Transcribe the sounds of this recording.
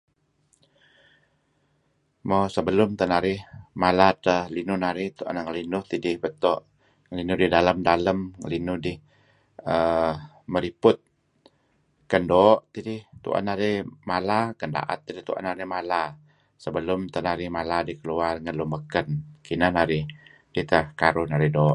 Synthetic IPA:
mɔsəbəlʊmt̪ənaɾɪhmalatəhlinʊnaɾɪht̪uʔa̰naŋəlinʊht̪idɪhbət̪ɔʔ | ŋəlinʊdihdaləmdaləmŋə̰linʊdɪh | ə | məɾipʊt̪̚ | kəndɔːʔt̪idɪht̪ṵʔa̰naɾɪhmalakənda̰ʔa̰t̪̚ːidiht̪uʔa̰naɾɪhmala | səbəlʊmt̪ənaɾɪhmaladihkəluarŋəlumbəkənkinənaɾɪh | d̥iht̪əhkaɾʊhnaɾɪhdɔːʔ

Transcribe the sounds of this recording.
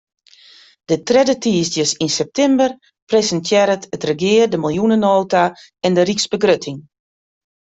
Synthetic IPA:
d̥ətrɛdətiːsdjəsinsɛp̚tɛmbər | prezəntʰjɛɾətətrəɡɪːərdəmilˠjunənoːta | ɛndəriksbəɡrøtʰɪŋ

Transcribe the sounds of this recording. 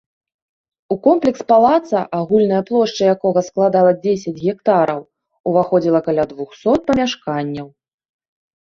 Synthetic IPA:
ukɔmplʲɛkspalˠat̪sɐʔaɣulʲn̪ɐjɐplˠɔʂt͡ʂɐjakɔɣɐsklˠad̪alˠɐd͡zʲesʲɐd͡zʲɣʲɛk̚t̪aɾɐw | uvaxɔd͡zʲilˠɐkalʲad̪vuxsɔt̪̚pɐmʲaʂkanʲːɐw

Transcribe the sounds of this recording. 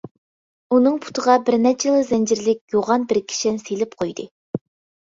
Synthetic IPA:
unɨŋpʰu̥t̪ʰəʁɑbɪɾnɛt͡ʃʰelˠɨzɛnd͡ʒɪɾlɪk̚ʲjoʁɑnbɪɾkʲʰi̥ʃɪnselɪp̚qʰojd̪ɨ

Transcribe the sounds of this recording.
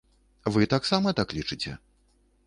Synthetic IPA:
vɨt̪aksamɐt̪aklʲit͡ʂɨt͡sʲɛ̰

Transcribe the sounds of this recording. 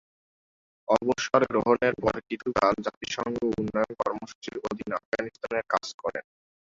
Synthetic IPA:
ɔboʃoɾɡɾoɦoneɾpɔɾkit̪ʰukald͡ʑat̪iʃɔŋɡounːɔjonkɔɾmoʃu̥t͡ɕiɾod̪ʱina̰fɡanist̪aneɾkad͡ʑkɔɾḛn

